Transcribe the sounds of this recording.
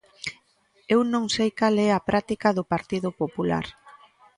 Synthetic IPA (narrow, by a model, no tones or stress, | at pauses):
ewnõŋsejkalɛapɾʔat̪ikɐðʊpaɾt̪iðʊpopula̰ɾ